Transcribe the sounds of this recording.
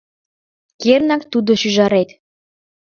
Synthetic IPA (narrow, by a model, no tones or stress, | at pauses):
kernɑkt̪ud̪oʃyʒɑɾet̪